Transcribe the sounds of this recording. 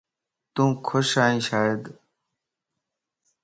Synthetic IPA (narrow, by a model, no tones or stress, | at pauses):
t̪ũːkʰoɕaːĩːɕaːed̪